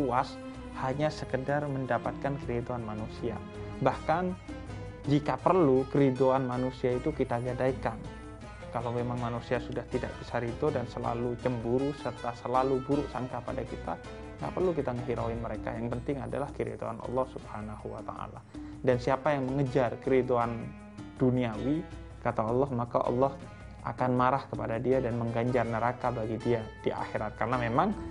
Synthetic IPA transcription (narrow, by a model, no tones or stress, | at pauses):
uas | haɲasəkədarməndapat̪̚kankəɾid̪oanmanusia̰ | bahkan | d͡ʒikapərlukəɾid̪oanmanusiait̪ukit̪aɡadaikan | kalamemaŋmanusiasudaht̪ida̰ʔb̥isaɾit̪odansəla̰lut͡ʃəmbuɾusərt̪asəlaluɡuɾuʔsaŋkapadakit̪a | ŋɡa̰ʔpərlukit̪aŋəɦiɾawɪnməɾeka̰jaŋpənt̪ɪŋada̰lahkəɾḭt̪o̰a̰nʔɑ̰lːɔhsubhanahuwa̰t̪a̰ʔla | dansiapajaŋməŋəd͡ʒarkəɾit̪oan | d̥uniawi | kat̪aɔlːɔhmakaʔɑ̰lːɔh | ʔa̰kanmaɾahkəpadadiadanməŋɡaɲd͡ʒarnəɾakabaɡidiad̥iʔa̰xiɾat̪̚karənamemaŋ